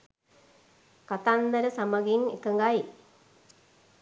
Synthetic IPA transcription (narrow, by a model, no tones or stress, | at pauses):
kat̪and̪ɐɾəsamɐɡinekəŋɡaj